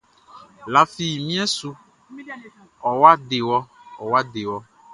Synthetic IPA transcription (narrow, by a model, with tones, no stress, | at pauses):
la˨fi˨mĩ˦ɛ˦su˦ | ɔ˨wa˦ɖe˨wɔ˦ɔ˨wa˦de˨wɔ˦